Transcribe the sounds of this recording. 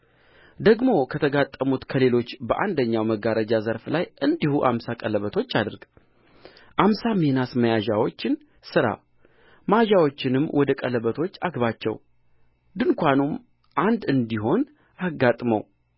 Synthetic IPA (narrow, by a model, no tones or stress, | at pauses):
d̪əɡmo̞kʰət̪ʰəɡat̪ʼːəmut̪kʰəle̞lo̞t͡ʃːbəʔa̰nd̪əɲːawməɡaɾəd͡ʒazəɾflajɨnd̪ihuʔa̰msakʼələβət̪ʰo̞t͡ʃːad̪ɨɾɡ | ʔamsamenasməjaʒawo̞t͡ʃːɪn | sɨɾa̰ | maʒawo̞t͡ʃːɪnɨmːwʔɔd̪əkʼələβət̪ʰo̞t͡ʃːaɡβat͡ʃːɛ̰w | d̪ɨŋkʷʰanum | ʔand̪ɨnd̪iɦo̞n | aɡːat̪ʼməw